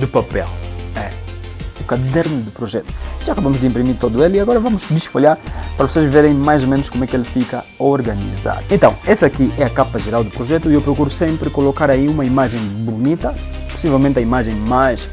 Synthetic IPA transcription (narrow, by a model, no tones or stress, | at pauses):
d̪ʊpapɛ̰lˠɛ | ukɐd̪ɛɾnʊd̪ʊpɾoʒɛt̪u̥ʒaɐkɐbamʊʒd̪ɨĩmpɾimiɾt̪od̪ueliɐɣɔɾɐvãmʊzd̪iʃpoʎaɾpɐɾɐvoseʒveɾẽj̃majzomẽnʊʃkomwɛkelfikɐ | oɾɡɐnḭza̰dẽnt̪ɐ̃w̃ɛsɐkiʔɛɐkapɐʒeɾawˠd̪ʊpɾoʒɛt̪uiewpɾokuɾusẽmpɾɨkolokaɾɐiumɐimaʒẽj̃bunit̪ɐ | pu̥sivɛlˠmẽnt̪ɐimaʒẽj̃majʃ